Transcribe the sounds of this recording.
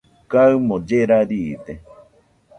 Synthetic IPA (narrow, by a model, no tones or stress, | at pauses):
kaɨmõd͡ʒeɾaɾit̪e